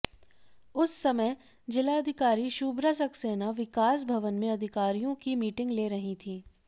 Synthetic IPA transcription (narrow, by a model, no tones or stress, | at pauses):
ʊsːɐmə | d͡ʒɪlaɐd̪ʱɪkaːɾiʃuːbɾasɐkseːnaʋɪkaːs̬bʱɐʋənmẽɐd̪ʱɪkaːɾijõkimiːʈɪ̃ŋɡleːɾɐɦit̪ʰiː